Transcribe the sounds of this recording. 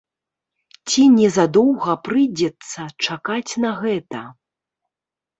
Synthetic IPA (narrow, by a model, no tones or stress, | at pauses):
t͡sʲinʲɛzad̪ɔwɣɐpɾɨd͡zʲɛt̪sːɐt͡ʂakat͡sʲnɐɣɛt̪ɐ